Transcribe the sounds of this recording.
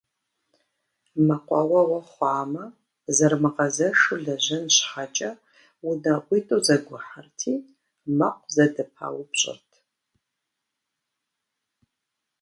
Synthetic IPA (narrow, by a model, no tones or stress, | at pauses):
mɐqʷʼɑ̰wɐwɐχʷaːmɐ | zɐrmɨqɐzɐʂɨɮɐʑɐnɕħat͡ʃʼɐ | wʊnɐʔʷitʼowzɐɡʷʊħartʰiː | mɐqʷzɐdɨpʰa̰ːwʊpɕʼɪ̰rtʰ